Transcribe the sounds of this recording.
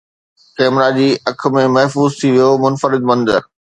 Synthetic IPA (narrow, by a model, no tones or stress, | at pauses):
kɛːmɾad͡ʑiːʔɐk̆ʰmẽmɐɦfuːzt̪ʰiʋijomʊnfəɾɪd̪̚mɐ̃nd̪ə̰ɾ